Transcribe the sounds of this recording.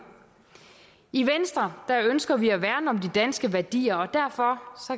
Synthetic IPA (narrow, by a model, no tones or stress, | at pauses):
iʋensd̥ʁɐd̥æønsɡ̥ɐʋiæʋæɐnɒ̽md̥id̥ænsɡ̥əʋæɐd̥ḭːɐɒ̽d̥æɐfɒ̽sɒ̽